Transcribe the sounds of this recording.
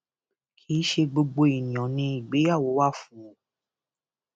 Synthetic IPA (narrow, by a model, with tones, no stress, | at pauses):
kʰi˦ʃe˧ɡ͡bo˧ɡ͡bo˧i˨nĩ˨ɔ̃˨nĩ˧˦i˨ɡ͡be˨˦ja˦˨wo˨˦wa˦˨fũ˨˦õ˨